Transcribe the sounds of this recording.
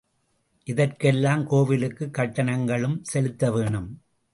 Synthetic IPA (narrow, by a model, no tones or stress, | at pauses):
ʔɪðɐrkɛlːaːmkoːʋɪlɯkːɯkːɐʈːɐnɐŋɡɐɭɯmsɛlɯt̪ːɐʋeːɳɯm